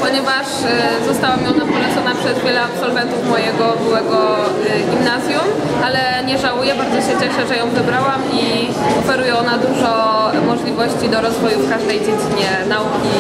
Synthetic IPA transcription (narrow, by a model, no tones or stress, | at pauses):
pɔɲɛvaʂ | zɔst̪awamjɔ̃wnapulɛt̪sɔnapʂɛzvʲjɛlɛapsɔlvɛnt̪ufmɔjɛɡɔbɘwɛɡɔɡʲimnazʲjum | alɛ | ɲɛʐawujɛbaɾd̪zɔɕɛt͡ɕɛʂɛʐɛjɔ̃w̃vɘbɾawami | ɔfɛɾujɛɔnad̪uʐɔ | mɔʐlʲivɔɕt͡ɕid̪ɔɾɔzvɔjufkaʐd̪ɛjd͡ʑed͡ʑiɲɛnaukʲi